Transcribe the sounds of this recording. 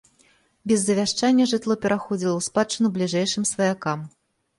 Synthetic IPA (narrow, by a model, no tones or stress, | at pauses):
bʲɛzːɐvʲaʂt͡ʂanʲːɐʐɨt̪lˠɔpʲɛɾʔaxɔd͡zʲilˠɐwspat͡ʂɨnublʲiʐɛjʂɨmsvɐjakam